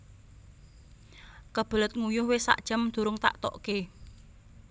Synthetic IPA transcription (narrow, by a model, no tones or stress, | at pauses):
kəb̥ə̤lət̪̚ŋujʊhwesa̰ʔd̥ʒ̥əmd̪̥ṳɾʊŋt̪a̰ʔt̪ɔ̰ʔke